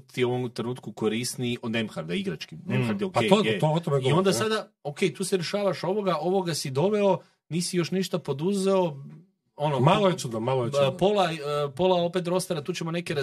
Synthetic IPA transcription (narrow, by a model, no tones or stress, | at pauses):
t̪ioʋomt̪ɾenuːt̪kukoɾist̪niʔod̪nemxaɾd̪aiɡɾat͡ʃkimnemxaɾd̪eokeooot̪omeiɡo̞nd̪asad̪ao̞ke̞jt̪uːseɾe̞ʃaːʋaʃo̞ʋo̞ɡaʔo̞ʋo̞ɡasid̪o̞ʋe̞o̞ | niːsijo̞ʃniʃt̪apo̞d̪uze̞o̞ | o̞nomaloesud̪omaloepo̞lˠapo̞lˠao̞pe̞t̪ɾo̞st̪aɾat̪uːt͡ɕe̞mo̞ne̞keɾa